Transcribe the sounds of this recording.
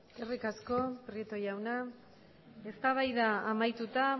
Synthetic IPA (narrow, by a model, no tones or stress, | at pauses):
erikasko̞pɾiet̪o̞jawna | e̞st̪aβ̞ajðaːmajt̪ut̪a